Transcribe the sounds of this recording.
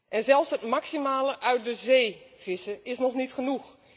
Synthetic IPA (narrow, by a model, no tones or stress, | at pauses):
ʔɛnzɛlˠfsɦətmaksimaːləʔœɥt̚dəzeːv̥ɪsəɪsnɔχnitχənux